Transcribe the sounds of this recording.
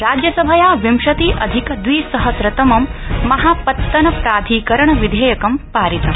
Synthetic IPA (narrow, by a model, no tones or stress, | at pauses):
ɾaːd͡ʒjɐsɐbʱɐjaːʋimʃɐt̪iːʔɐ̰d̪ʱikɐd̪ʋiːsɐɦɐsɾɐt̪ɐmɐmːɐɦaːpɐt̪ːɐnɐpɾaːd̪ʱiːkɐɾɐɳɐʋid̪ʱeːjɐkɐmpaːɾit̪ɐm